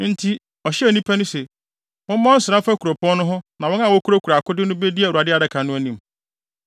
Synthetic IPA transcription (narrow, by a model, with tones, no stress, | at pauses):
n̩˦tʰi˦ | ɔ˨ɕɛ˦˨nĩ˦pʰæ˦nʊ̃˦se˨ | mʊ̃˦m̩˦mɔ̃˦n̩˦sɪ˨ɾã˦fa˦ku˨ɾo˨pʰɔ̃˦n˦nʊ̃˦ɦʊ̃˦nã˨wɔ̃˦nã˦˨wɔ˦kʰu˦ɾo˦kʰu˨ɾa˨kʊ˦dɪ˦nʊ̃˦be˦di˦æ˨u˨a˨dɪ˦a˨dɛ˨kʰã˨nʊ̃˦æ˦nĩ˨m˨